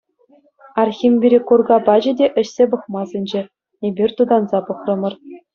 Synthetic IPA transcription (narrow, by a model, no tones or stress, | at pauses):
ɑrxʲimʲbʲiɾʲekurɡɑpɑd͡ʑɘ̆dʲeʔɘ̆ɕsʲebɤ̆χmɑzʲĕnʲd͡ʑe | ebʲirʲt̪ud̪ɑnzɑpɤ̆χrɤ̆mɤ̆r